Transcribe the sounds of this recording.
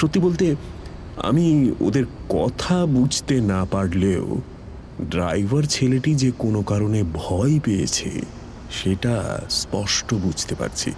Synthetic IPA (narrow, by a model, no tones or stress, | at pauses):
ʃot̪ːibolt̪e | a̰mio̰d̪eɾkɔ̰t̪ʰabud͡ʑʱt̪enapaɽleo | ɖɾa̰jvʱaɾt͡ɕʰeleʈid͡ʑekonokaɾonebʱɔepejḛt͡ɕʰḛ | ʃeʈa̰spɔʃʈobud͡ʑʱt̪epa̰ɾt͡ɕʰḭ